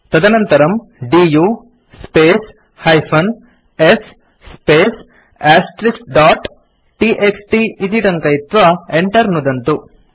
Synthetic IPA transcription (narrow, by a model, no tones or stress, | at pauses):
t̪ɐd̪ɐnɐnt̪ɐɾɐm | ɖiːjuː | speːs | hɐjpʰɐn | es | sːpeːs | aːsʈɾiksɖaːʈ | ʈiʔeksʈiit̪̬iʈɐŋkɐjt̪ɾɐeɳʈɐɾnud̪ɐnt̪u